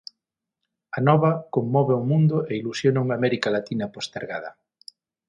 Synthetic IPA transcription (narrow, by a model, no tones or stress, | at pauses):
anɔβɐkomːɔβeʊmũnd̪ʊʔeilusjonauŋamɛɾikalat̪inɐpost̪eɾɣa̰ð̞ɐ̰